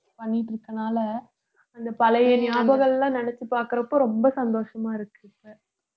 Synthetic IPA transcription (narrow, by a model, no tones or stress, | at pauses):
pɐɳːɪʈːɾɯkːɐnaːlɐ | ɐnd̪ɐpɐlɐjɐnɪjaːbɐɣɐɭlãːnɛnɛt͡ʃːɯpaːɾkɯɾɐpːoːɾɔmbɐsɐnd̪oːʂɐmaːɪɾɯkːɯpe